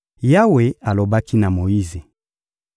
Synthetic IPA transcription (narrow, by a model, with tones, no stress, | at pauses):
ja˦we˨a˨lo˨ba˦ki˦na˨mo˨ji˦ze˨